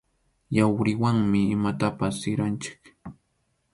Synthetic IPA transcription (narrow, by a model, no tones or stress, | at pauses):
jawɾɪwaŋmɪːmat̪apasːɪɾant͡ʃɪ̥k